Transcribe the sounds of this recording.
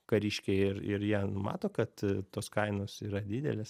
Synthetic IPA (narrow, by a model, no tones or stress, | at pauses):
kɐɾʲiːʃʲkʲeɪɾɪ̰ɾjiɛnʊmɑ̰ːt̪oːkɐt̪t̪oːskɐɪnoːsiːɾɐd̪ʲiːd̪ʲɛ̰lʲes